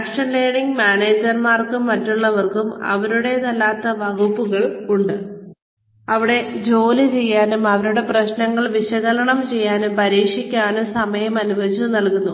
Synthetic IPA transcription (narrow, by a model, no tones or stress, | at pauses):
ʈʂɐɳleːɽiŋɡmaːneːd͡ʑɐrmaːrkumːɐtːuɭːɐʋɐrkumɐ̰ʋɐɾuɽe̞t̪ɐlːaːt̪ːɐʋɐɣupːuɣɐɭuɳɖɨ | ɐʋiɽe̞d͡ʑo̞ːlɨt͡ɕe̞jːaːnumɐʋɐɾuɽe̞prɐɕnɐŋːɐɭʋiɕɐɣɐlɐɳɐmt͡ɕe̞jːaːnumpɐɾiːkʂikʲːaːnusɐmɐjɐmɐnuʋɐd͡ʑunɐlkunːu